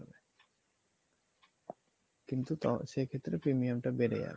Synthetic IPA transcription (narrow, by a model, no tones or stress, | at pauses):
be | kint̪ut̪aʃekʰet̪ːɾepɾimiamʈabeɖḛja̰be